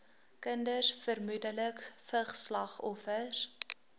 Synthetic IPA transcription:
kəndəsfərmudələkfəχslɐχɔfəs

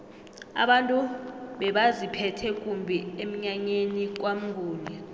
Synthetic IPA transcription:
a̰ɓantʼuɓɛɓazipʰɛtʰɛkʼumbʱiem̩ɲaɲenik̬ʼwam̩ŋɡʱuːnɛ

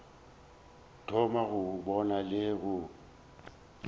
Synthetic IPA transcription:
tʰɔmaɣʊbɔnalɪɣʊ

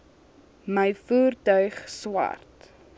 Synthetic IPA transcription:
məjfuːrtœɥχswɐ̰rt

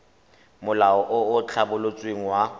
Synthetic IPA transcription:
mʊlaɔʔʊʊt͡ɬʰabʊlot͡sʼweŋ̩wa

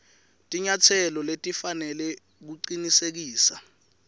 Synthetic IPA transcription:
tʼiɲatʰɛlɔletʼifanɛlɛ | k̬uǀinisek̬iːsa

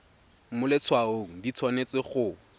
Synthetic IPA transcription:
mʊlɪt͡sʰwaoŋ̩dit͡sʰwanet͡sɪχʊ

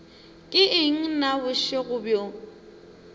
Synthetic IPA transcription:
kʼɪɪŋ̩nabʊʃeɣʊbjo

